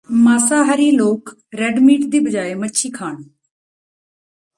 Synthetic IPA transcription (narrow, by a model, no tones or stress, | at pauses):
maːsaːɦəɾiːloːk | ɾɛːɖmiːʈd̪iːbəd͡ʒaːeːməʃʰiːkʰaːn